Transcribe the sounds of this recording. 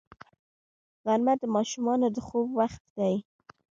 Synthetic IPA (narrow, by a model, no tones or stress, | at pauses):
ɣaɾmat̪̚d̪əmɑʃumɑnod̪əxobwaxt̪d̪aj